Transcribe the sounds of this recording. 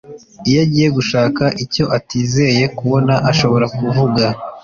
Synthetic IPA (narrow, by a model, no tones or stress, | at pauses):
ijaɟiːje̞ɡuʃaːkaʔico̞ʔatiːzeje̞kuβo̞naʔaʃo̞βo̞ɾakuvuɡa